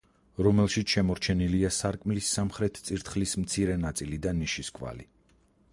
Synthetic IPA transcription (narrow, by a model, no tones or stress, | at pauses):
ɾɔmɛlˠʃit̪sʰʃɛmɔɾt͡ʃʰɛniliasaɾkʼmlisːamχɾɛt̪ʰt̪sʼiɾt̪ʰχlismt̪sʰiɾɛnat̪sʼilid̪anːiʃiskʼva̰li